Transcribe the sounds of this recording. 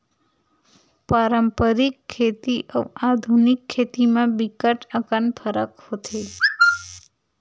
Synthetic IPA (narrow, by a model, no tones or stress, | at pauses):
paɾəmpəɾikʰːet̪iʔəad̪ʱunikʰːet̪imãbikəʈəkənpʰəɾəkhot̪ʰe